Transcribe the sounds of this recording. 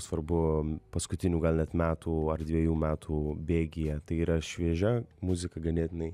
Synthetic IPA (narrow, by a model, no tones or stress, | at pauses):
sʋɐɾbʊpɐskʊt̪ʲɪnʲuːɡɐlʲˠnʲɛt̪mʲæːt̪ʰuːɐrd̪ʲʋʲiɛjuːmʲæːt̪ʰuːbʲeːɡʲɪjɛt̪ɐɪiːɾɐʃʲʋʲiɛʒʲɛmʊzʲɪkɐɡɐnʲeːt̪ʲɪnɐɪ